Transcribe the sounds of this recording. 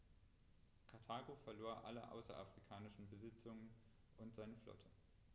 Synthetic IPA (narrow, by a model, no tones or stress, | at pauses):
kʰaɐtʰaːɡofɛɐloːɐʔa̰ləʔa̰ʊsɐ̰ʔa̰fʁ̥ikʰaːnɪʃn̩bəzɪt͡sʊŋən | ʔʊntz̥aɪnəflɔ̰tʰə